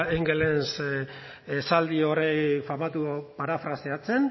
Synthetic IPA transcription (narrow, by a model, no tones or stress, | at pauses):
iŋɡelens | esald̪io̞ɾejfamat̪upaɾafɾaseat͡se̞n